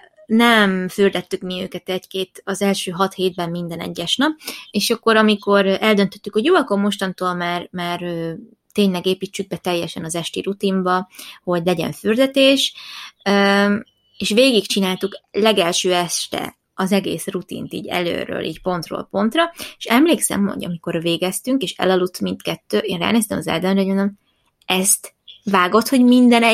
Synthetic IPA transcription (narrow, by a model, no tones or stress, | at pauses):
nɛmfyrd̪ɛt̪ːykmiø̰ːkɛt̪ɛckeːt̪ɒzɛlʃøːɦɒt̪heːd̪̚bɛmːind̪ɛnɛ̰ɟːɛʃnɒpeːʃɒkːo̞ɾɒmiko̞ɾɛld̪ø̞nt̪ø̞t̪ːykhoɟjoːɒkormo̞ʃt̪ɒnt̪oːlmaːrmaːrøː | t̪eːɲlɛɡeːpit͡ʃːyɡ̚bɛt̪ɛjːɛʃɛnɒzɛʃt̪ḭɾut̪imbɒho̞ɟlɛɟɛ̰ɱfyrd̪ɛt̪eːʃø | eːʃʋeːɡikt͡ʃinaːlt̪uklɛɡɛlʃøːɛʃt̪ɛ̰ | ɒzɛɡḛːsrut̪ḭnt̪ḭːɟɛ̰lø̰ːɾø̰ːlʔḭːcpo̞nt̪ro̰ːlpo̞nt̪rɒeʃɛmleːksɛ̰mho̰ɟɒ̰miko̞rveːɡɛst̪yŋkeːʃɛ̰lɒlut̪mint̪kɛt̪ːøːʔeːnra̰ːneːst̪ɛmɒzɛ̰ld̪ømrɛojmnd̪om | ɛst̪ | vaːɡo̞t̪ho̞ɟmind̪ɛnɛ